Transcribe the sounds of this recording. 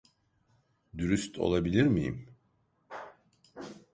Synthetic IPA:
d̪yɾyst̪ʰo̞̰lˠabilʲiɾmijḭm

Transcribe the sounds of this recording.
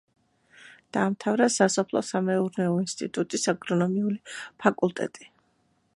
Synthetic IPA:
d̪̥aːmt̪ʰavɾasasɔpʰlˠɔ̰samɛuɾnɛɔinst̪ʼḭt̪ʼut̪ʼisaɡɾɔnɔmiulipʰakʼulˠt̪ʼɛ̰t̪ʼi̥

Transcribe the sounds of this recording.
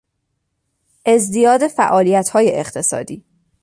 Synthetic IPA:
ʔe̞zd̪ijɒːd̪e̞fæ̰ʔɒːlijæt̪hɒːjeʔeχt̪ʰe̞sɒ̰ːd̪ḭː

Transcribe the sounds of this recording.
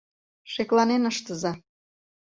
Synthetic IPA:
ʃeklɑnenəʃt̪əzɑ

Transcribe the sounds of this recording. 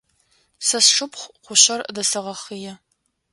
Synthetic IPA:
sɐsʂɨpχʷqʷʊɕɐrdɐsɐʁɐχijɛ

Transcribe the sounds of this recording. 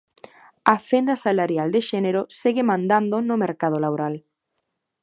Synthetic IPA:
afend̪asalaɾjald̪eʃɛneɾoseɣemãnd̪and̪onomeɾkað̞olaβoɾal

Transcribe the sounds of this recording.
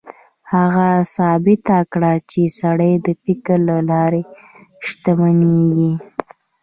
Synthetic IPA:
haɣasɑbɪt̪akɽat͡ʃesaɽəjd̪əpikəɾlalɑɾe | ʃt̪amaneɡi

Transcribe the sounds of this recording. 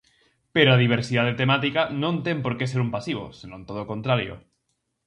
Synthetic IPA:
peɾoaðiβ̞eɾsiðaðet̪emat̪ikanõnt̪empoɾkeseɾumpasiβo̰senõnt̪oðoːkont̪ɾaɾjo̰

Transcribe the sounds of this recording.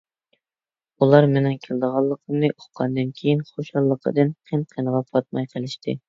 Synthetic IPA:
ulˠɑɾmenɪŋkʲʰelˠd̪əʁɑlˠːəqʰəmnɨʔoχqɑnd̪ɨnkʲʰejinχoʃɑlˠːəqʰə̰d̪ɨnqʰenqʰənəʁɑpʰɑt̪̚mɑjqʰəlˠɪʃt̪ʰɪ̰

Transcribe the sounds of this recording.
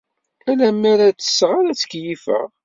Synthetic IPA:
ælæmːæɾæt͡sːə̥sʁaɾæt͡sːə̥kjifə̰ʁ

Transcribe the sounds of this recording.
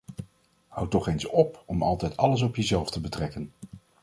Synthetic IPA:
hʌ̰wtɔχejnsɔpɔmɑ̰lˠtɛjtɑləs̬ɔpjəzɛlˠftəbətrɛkən

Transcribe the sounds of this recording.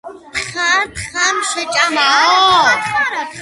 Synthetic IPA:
t̪χat̪χamʃɛt͡ʃʼamaɔ

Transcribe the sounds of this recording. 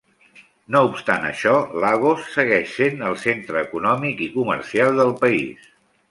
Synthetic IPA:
noupst̪anə̰ʃɔlaɣosːəɣɛʃsenəlˠsent̪ɾəːkunɔmikikumə̰rsialˠd̪əlˠpəḭs

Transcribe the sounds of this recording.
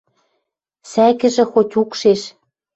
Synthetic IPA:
sækɘ̆ʒɘ̆xotʲukʃeʃ

